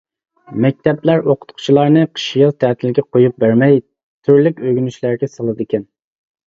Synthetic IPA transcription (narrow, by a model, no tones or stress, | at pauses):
mɛk̚ʲt̪ʰɛplæɾoqʰʊ̥t̪qʰʊ̥t͡ʃʰilˠɑɾnɨqʰə̥ʃijɑzt̪ʰæt̪ʰɪlɡʲɛqʰojup̚bæɾmɛj | t̪ʰyɾlɪkʲøɡʲynyʃlæɾɡʲɛsɑlˠɨd̪ɨkʲɛn